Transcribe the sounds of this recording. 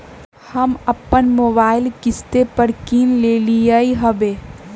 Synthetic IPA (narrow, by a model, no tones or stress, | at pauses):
hɐmɐpːənmoːbaːɪlkɪst̪epəɾkiːnleːlijəiɦɐbeː